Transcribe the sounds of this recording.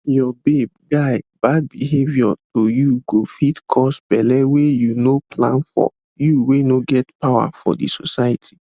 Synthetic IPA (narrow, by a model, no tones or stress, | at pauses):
jɔbeb̚ɡaɪbad̚biɦevjɔtʰojuɡofitkʰɔsb̥ɛlɛwejunopʰlãnfɔ̰ | juwenoɡɛtpʰawa̰fɔ̰dḭsosajatʰi